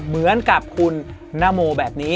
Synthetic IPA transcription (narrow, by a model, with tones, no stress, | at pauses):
mɯ˩˦ənka˨˩p̚kʰu˧nːaː˦˧˥moː˧bɛː˨˩p̚niː˦˥